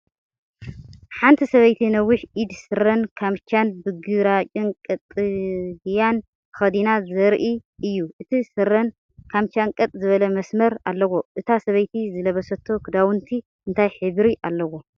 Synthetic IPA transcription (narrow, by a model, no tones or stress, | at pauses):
ħant̪ʰisɐβɐjt̪ʰinɐwʊħʔid̪sɨɾɐnkʰamt͡ʃanbɨɡɨɾat͡ʃʼɪnkʼɐt̪ʼːɨɡjan | kɨxɐd̪inazɐɾʔiʔɨjːuʔɨt̪ʰisɨɾɐn | kʰamt͡ʃankʼɐt̪ʼzɨβɐlɐmɐsmɐɾalːɐwo̞ʔɨt̪ʰasɐβɐjt̪ʰizɨlɐβɐsɐt̪ʰːo̞kʰɨd̪awʊnt̪ʰi | ʔɨnt̪ʰajħɨβɾiʔalːɐwo